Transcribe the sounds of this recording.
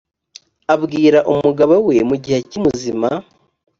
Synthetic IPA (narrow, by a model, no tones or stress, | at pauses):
aβɡiːɾaʔumuɡaβawe̞muɟihecimuzima